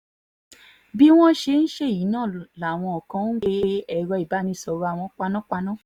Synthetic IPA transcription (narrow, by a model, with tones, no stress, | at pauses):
bi˦w̃ɔ̃˦ʃe˧˦n̩˦ʃe˦˨ji˨˦nãː˦˨la˨w̃ɔ̃˧ɔ˨kã˨˧˦n̩˦ɡe˧˦ɛ˨ɾɔ˧˦i˨ba˨˦nĩ˧˦˨sɔ˧ɾa˦˨w̃ɔ̃˧k͡pa˧nɔ̃˦k͡pa˧nã˦˨